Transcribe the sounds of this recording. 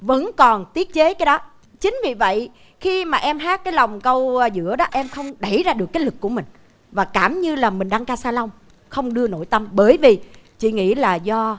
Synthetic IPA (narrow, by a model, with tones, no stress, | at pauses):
və̰˧˥nkɔ˨˩nt̪i˦˥ət̚t͡ɕe˨˦kaː˨˦jɗɔ˨˦ | t͡ɕï˨˦ŋ̟vi˨˩və̰˧˨j | xi˧maː˨˩ʔɛ˧mɦaː˦˥t̚kaː˨˦jla˨˩wŋ͡mkə˧wzɨ̰˧˥əɗɔ˨˦ʔɛ˧mxə˧wŋ͡mɗə˧˩jzaː˧ɗɨ˨˩əkːlɨ˨˩k̚ːu˧˩əmï˨˩ŋ̟ | vaː˨˩kaː˧˩mɲɨ˧laː˨˩mï̟˨˩ɗa˧ŋkaː˧saː˧la˧wŋ͡m | xə˧wŋ͡mɗɨ˧əno˧˩jt̪ə˧mɓəː˧˩jvi˨˩t͡ɕḭ˧˨ŋḭ˧˥laː˨˩zɔ˧